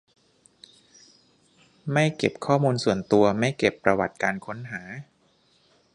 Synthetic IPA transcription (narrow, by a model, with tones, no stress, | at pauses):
ma˥˩jke˨˩p̚kʰɔː˥˩muː˧nsu˨˩ənt̪u˧ɐma˥˩jke˨˩pːɾa˧wa̰˨˩t̪̚kaː˧nkʰo˦˥nɦaː˩˦